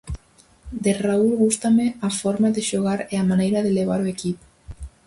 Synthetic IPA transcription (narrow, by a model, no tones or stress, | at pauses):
d̪eraulɣust̪ameafɔɾmaðeʃoɣ̞aɾeamanejɾaðeleβ̞aɾoekip